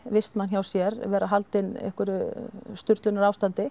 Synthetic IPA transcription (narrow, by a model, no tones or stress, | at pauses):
vɪst̪mançawsjɛɾvɛːɾaɦalt̪ɪnɛ̰hkʏɾʏst̪ʏɾt̪lʏnaɾaːwst̪ant̪ɪ